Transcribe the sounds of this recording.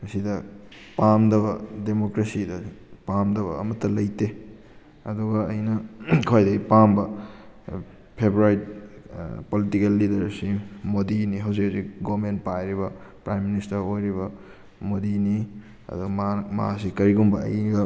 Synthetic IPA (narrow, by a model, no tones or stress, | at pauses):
kɐsidɐpamdɐbɐdemokɾesidɐpamdɐβɐ̰ːmɐtːɐlɐjte | ɐduɡɐːjnɐkʰojdɐɡipambɐ | pʰebɾaɾit̚ | politikelːidɐɾsimodiniɦɐwzikhazik̚ɡoment̚pajɾibɐpɾajmːinistɐɾojɾibɐ | modini | ɐ̰duɡɐmaasikɐɾiɡumbɐɐ̰jɡɐ